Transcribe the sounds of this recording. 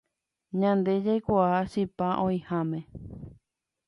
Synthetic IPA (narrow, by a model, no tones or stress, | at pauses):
ɲãnd̪e̞d͡ʒajkʷaaʃipaʔõĩhãmẽ